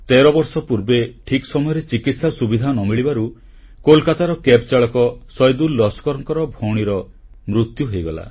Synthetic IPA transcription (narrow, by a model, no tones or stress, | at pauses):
t̪eɾɔbɔɾsɔpuɾbeʈʰikɔsɔmɔjɔɾet͡ʃikit̪sasubid̪ʱanɔmiɭibaɾu | kolkat̪aɾɔkept͡ʃaɭɔkɔsɔjd̪ulːɔskɔɾɔŋkɔɾɔbʱoɽ̃iɾɔ | mɾut̪juɦejɡɔla̰